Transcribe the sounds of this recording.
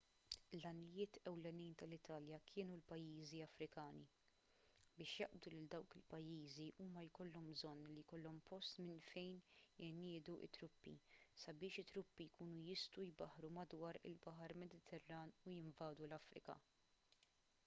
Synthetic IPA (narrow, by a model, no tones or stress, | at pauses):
lɐnɪjɪːt̪ʰɛwlɛniːnt̪ɐlɪt̪ʰɐːljɐkʰɪːnulpɐjːiːziɐfɾɪkɐːni | bɪːʃjɐʔbd̪ulɪld̪ɐwkɪlpɐjːiːziʔuːmɐjkɔlːɔmbzɔnːlijkɔlːɔmpɔst̪mɪnfɛjnjɪnɪːd̪uʔɪ̰t̪ːɾʊpːḭsɐbɪːʃɪt̪ːɾʊpːijkuːnujɪst̪uwjbɐħɾumɐd̪wɐːɾɪ̰lbɐɦɐɾmɛd̪ɪt̪ʰɛrːɐːnujɪɱvɐːd̪ulɐfɾɪ̰kɐ̰